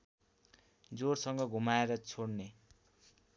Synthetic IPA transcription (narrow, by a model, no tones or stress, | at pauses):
d͡zorsʌŋɡʌɡʱumaeɾʌt͡sʰoɽne